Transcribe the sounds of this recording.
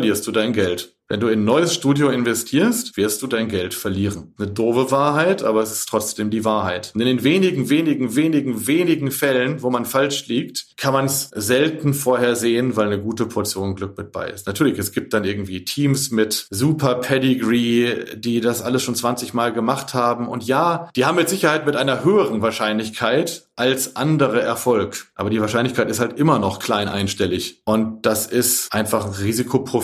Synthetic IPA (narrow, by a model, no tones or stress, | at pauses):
ɐliːɐst̚d̥uːdaɪnɡɛlt | vɛ̰nduːɪnnːɔʏəsʃtuːdjoɪnvɛstʰiːɐstv̥ɪɐstd̥uːdaɪnɡɛltfɛɐliːʁənnədoːbəvaːɐɦaɪtʔaːbɐɛsɪ̥stʰʁ̥ɔt͡sd̥eːmdiːvaːɐhaɪtʊntɪndeːnveːnɪɡŋ̩veːnɪɡŋ̩veːnɪɡŋ̩veːnɪɡŋ̩fɛlənvoːmanfalʃliːktkʰanmansz̥ɛltn̩foːɐheːɐzeːənvaɪlnəɡuːtəpʰɔɐt͡sjoːnɡlʏk̚mɪt̚b̥a̰ɪɪ̰stnatʰyːɐlɪçɛsɡ̥iːp̚t̚d̥anʔɪɐɡŋ̩tv̥iːtʰiːmsmɪtzuːpʰɐpʰɛdɪɡʁiːdiːdasʔaləsʃoːnt͡sv̥ant͡sɪçmaːlɡəmaχthaːbm̩ʊntjaːd̥iːhaːbmɪtz̥ɪçɐhaɪtmɪtʔaɪnɐɦøːəʁənvaːɐʃaɪnlɪçkʰaɪtʔalsʔandəʁəʔɛɐfɔlkʔa̰ːbɐdiːvaɐʃaɪnlɪçkʰaɪtɪsthaltʔɪmɐnɔχkʰl̥aɪnʔa̰ɪnʃtɛlɪçʔʊntd̥asɪstʔaɪnfaχʁiːzikʰopʁ̥o